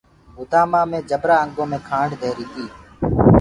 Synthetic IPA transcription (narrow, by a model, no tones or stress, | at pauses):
ʊd̪aːmaːmẽːd͡ʒəbɾaːəŋɡõːmẽːkʰãːɳɖd̪ʱeːɾiːt̪ʰiː